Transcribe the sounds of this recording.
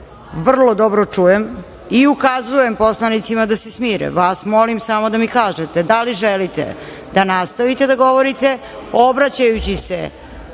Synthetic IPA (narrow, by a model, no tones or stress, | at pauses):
ʋr̩lˠod̪obɾot͡ʂuːjem | iukazuje̞mpo̞slˠanit̪simad̪asesmiːɾḛʋaːsmo̞limsamo̞d̪amikaːʒet̪ed̪aliʒelit̪ḛ | d̪anast̪aʋit̪e̞d̪aɡo̞ʋoɾit̪e̞ | obɾat͡ɕajut͡ɕisḛ